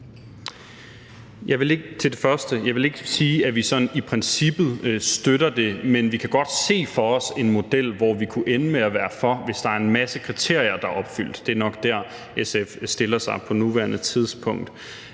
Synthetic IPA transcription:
jɑ̈ɪʋe̝le̝ɡ̥ət͡sʰe̝ld̥e̝fɶɐsd̥əjɑ̈ɪʋele̝ɡ̥əsiːæʋisɒ̽nipʰʁɛnsib̥ð̩ˠsd̥øɾ̥ɐd̥e̝menʋikʰæɡ̥ɒ̽d̥se̝̰ːfɒ̽ɒ̽se̝nmo̝d̥el̰ʋɒʋikʰuʔenəmeæʋæːɐfɒ̽ʋe̝sd̥ɑ̈æɐe̝nmæsəkʰʁit͡sʰe̝ɐ̰jɐd̥ɑ̈ʔɒ̽b̥fyl̰d̥ːe̝æɐnɒ̽ɡ̥d̥æɐ̰ | esefsd̥e̝lɐsɑ̈ɪpʰɒ̽nuʋæɐnət͡sʰið̞ˠspʰɔ̽ŋ̰d̥

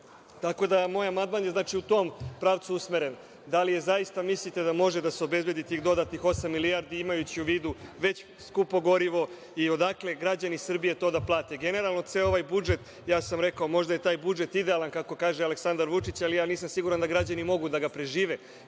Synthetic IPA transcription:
t̪ako̞d̪amo̞ːjamand̪maːnjeznaːt͡ʃiut̪o̞mpɾaːʋt̪suusmeɾe̞n | d̪alije̞zajist̪amislit̪e̞d̪amo̞ʒe̞d̪aseo̞be̞zbje̞d̪it̪iːxd̪o̞d̪aːt̪nixo̞samːiliaɾd̪iimajut͡ɕiuʋiːd̪uʋe̞t͡ɕ | skupo̞ɡo̞ɾiʋo̞ | io̞d̪akle̞ɡɾad͡ʑanisr̩bije̞t̪o̞ːd̪aplˠaːt̪eɡe̞ne̞ɾalˠnoseːlo̞ʋajbud͡ʒe̞t̪ | jaːsamɾe̞kaomo̞ʒd̪ajet̪aːjbud͡ʒe̞t̪id̪e̞alˠankako̞kaːʒealeksand̪aɾʋut͡ʂit͡ɕalijaːniːsamsiɡuɾand̪aɡɾad͡ʑanimo̞ɡud̪aɡapɾe̞ʒiːʋe

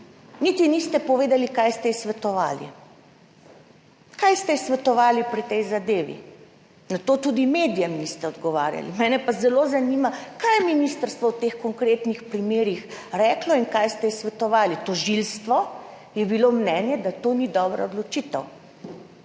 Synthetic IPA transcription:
nit̪inist̪ɛpɔʋeːd̪alikajst̪ɛsʋɛt̪ɔʋa̰ːlḭ | kajst̪ɛsʋɛt̪ɔʋaːlipɾit̪ɛjzad̪eːʋḭ | nat̪oːt̪ud̪imed̪ijɛmnist̪ɛɔd̪ɡɔʋa̰ːɾja̰lḭmɛːnɛpazɛloːzanimakajɛminist̪əɾst̪ʋɔwt̪exkɔŋkɾeːt̪nixpɾimeːɾixɾɛːklɔinkajst̪ɛsʋɛt̪ɔʋaːlit̪ɔʒilst̪ʋɔ | jɛbilomnɛːnjɛd̪at̪oːnid̪ɔːbɾa̰od̪lɔt͡ʃit̪ə̰w

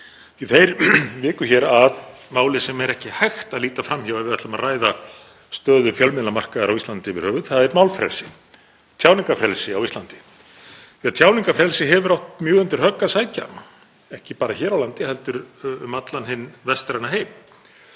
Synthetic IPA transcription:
iθejɾvɪːkʏçɛɾaðmaːwlɪsɛmɛɾɛhcɪhajxt̪aðliːt̪afɾamçavɛvɪɛht̪lamaraːjða | st̪œːðʏfjœlmɪlamar̥kaðaɾa̰wist̪ant̪ɪvɪɾhœːvʏ̥θaðɛɾmawlfɾɛ̰lsɪ | t̪ʰjawniŋkafɾɛlsɪawist̪lant̪ɪ̥ | fiat̪ʰjaːwniŋkafɾɛlsɪɦɛvʏɾawht̪mjʏːɣʏnt̪ɪɾ̥hœkːasaːjca̰n | ɛhcɪpaːɾaçɛːɾawlant̪ɪhɛlt̪ʏɾʏmat̪lanhɪnːvɛst̪ɾanaɦeːjm

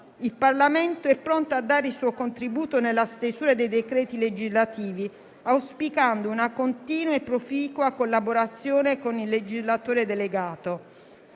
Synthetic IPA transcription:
ilparlament̪oɛpːɾont̪oad̪ːaːɾeilsuːokont̪ɾibuːt̪onelːast̪esuːɾad̪ejd̪ekɾɛːt̪iled͡ʒizlat̪iːvi | awspikand̪ounakont̪iːnwepːɾofiːkwakolːaboɾat̪sːjoːnekonilːed͡ʒizlat̪oːɾed̪eleɡaːt̪o

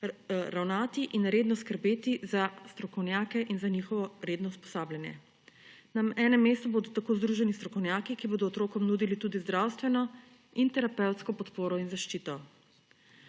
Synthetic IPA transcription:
ɾawnaːt̪iʔinɾeːd̪nɔskəɾbeːt̪izast̪ɾɔkɔwnjaːkɛʔinzanixɔʋɔɾeːd̪nɔwspɔ̥saːbljanjɛ̰ | namɛːnɛmːeːst̪uboːd̪ɔt̪akoːzd̪ɾuːʒɛnist̪ɾɔkɔwnjaːkikiboːd̪ɔːt̪ɾoːkɔmnuːd̪ilit̪ud̪izd̪ɾaːwst̪ʋɛnɔ | int̪ɛɾapɛwt̪skɔpɔt̪poːɾɔinzaʃt͡ʃit̪ɔ

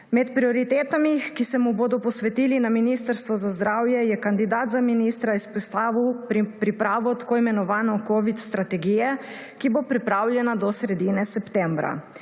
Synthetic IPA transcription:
mɛt̪pɾiɔɾit̪eːt̪amixkisɛmuboːd̪ɔpɔsʋɛt̪iːlinaminist̪əɾst̪ʋɔzazd̪ɾaːwjɛjɛkand̪id̪aːt̪zaminiːst̪ɾaispɛst̪aːʋiwppɾipɾaːʋɔt̪ḁkoːimɛnɔʋaːnɔkoʋit̪st̪ɾat̪ɛɡiːjɛ | kibopɾipɾaːwljɛnad̪ɔsɾɛd̪iːnɛsɛpt̪ɛ̃mbɾa̰

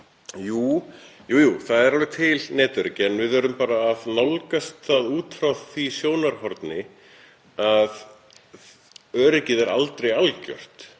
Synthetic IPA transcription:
juːjuːjuːθaðɛɾalvɪt̪ʰɪlnɛːt̪ʏɾɪcɪɛnvɪðœɾʏmpaːɾaːðnɔwlkast̪θaðuːt̪ʰɾawðθisjoːwnaɾ̥hɔɾt̪nɪ | að | œːɾɪcɪðɛɾa̰lt̪ɾejalcœ̰r̥t̪

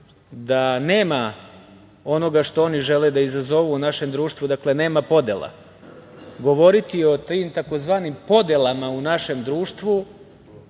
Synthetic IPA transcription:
d̪ane̞ːma | o̞no̞ɡaʃt̪o̞o̞niʒe̞led̪aizazo̞ʋuːnaʃe̞md̪ɾuːʃt̪ʋud̪akle̞ne̞ːmapo̞d̪e̞lˠa̰ | ɡo̞ʋo̞ɾit̪io̞t̪imt̪ako̞zʋaːnimpo̞d̪e̞lˠamaunaʃe̞md̪ɾuːʃt̪ʋu

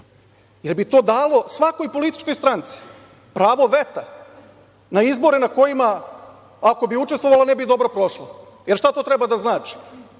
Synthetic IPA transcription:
jeɾbit̪o̞ːd̪aːlo̞sʋako̞jpo̞lit̪i̥t͡ʃko̞jst̪ɾant̪si̥ | pɾaːʋo̞ʋe̞t̪a | naizbo̞ɾenako̞jima | ako̞biut͡ʃest̪ʋo̞ʋalanebid̪o̞bɾopɾo̞ʃlo | jeɾʃt̪at̪ot̪ɾebad̪aznaːt͡ʃi̥

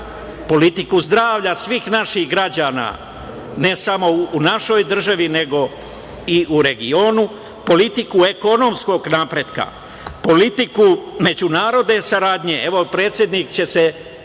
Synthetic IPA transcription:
po̞lit̪ikuzd̪ɾaːʋʎasʋiːxnaʃixɡɾad͡ʑaːna̰ː | ne̞samo̞ːnaʃo̞jd̪r̩ʒaʋine̞ɡo̞ | iʔuɾe̞ɡio̞ːnu | po̞lit̪ikue̞kono̞msko̞ɡnaːpɾe̞ːd̪ka̰ | po̞lit̪ikume̞d͡ʑunaːɾo̞d̪ne̞saɾaːd̪ɲe̞e̞ʋo̞pɾe̞ːt̪sʲje̞d̪nikt͡ɕe̞se

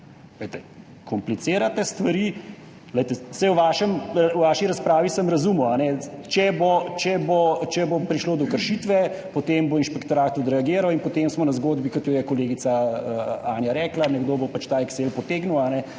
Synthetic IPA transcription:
ləjt̪ɛ | kʰɔmplit̪seːɾat̪ɛst̪ʋaɾi | ləjt̪ɛsɛjwʋaʃɛmwʋaʃiɾaspɾaːʋisɐmɾɐzumɔanɛt͡ʃɛbot͡ʃɛbot͡ʃɛbopɾiʃloːd̪ɔkəɾʃit̪ʋɛpot̪emboinʃpɛkt̪ɔɾaːt̪̚t̪ut̪ɾɛaɡeːɾawinpɔt̪emsmɔnɐzɡoːd̪bikɔt̪jɔjɛkoleːɡit̪saəaːnjaɾɛːklanɛɡd̪oːbopat͡ʃt̪aːɛkselpɔt̪eːɡnuwanɛ

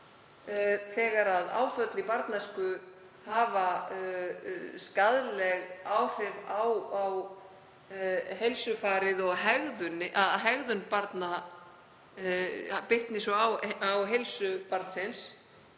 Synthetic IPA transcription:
θɛːɣaɾaða̰ːwfœt̪lipaɾt̪naskʏ | haːva | skaðlɛɣaːwr̥ɛvawaw | ɦejlsʏfaːɾɪðɔɣɦɛɣðʏnɪʔaðɦɛɣðʏnpaɾt̪na | pɪht̪nɪsɔawawɦejlsʏpaɾt̪sɪns

